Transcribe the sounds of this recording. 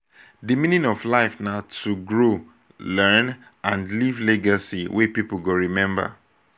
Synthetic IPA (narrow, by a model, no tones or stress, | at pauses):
dimĩnĩnɔflaɪfnatuɡɹo | lɛn | ãndlivlɛɡasiwepipl̩ɡoɹimɛ̃mba̰